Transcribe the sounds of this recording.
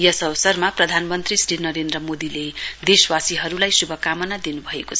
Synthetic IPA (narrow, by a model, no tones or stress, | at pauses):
jʌsʌwsʌrmaprʌd̪ʱanmʌnt̪risʈinʌɾend̪rʌmod̪iled̪eswasiɦʌɾulajsubʱʌkamʌnad̪inubʱʌekot͡sʰʌʌ